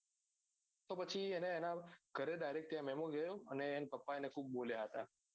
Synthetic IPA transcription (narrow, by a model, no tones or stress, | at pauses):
t̪opət͡ʃʰieneːnaɡ̥ʱəɾed̪ajɾek̚t̪jãmɛmõɡəjõəneːnpəpːaenekʰub̚ːoljaɦət̪a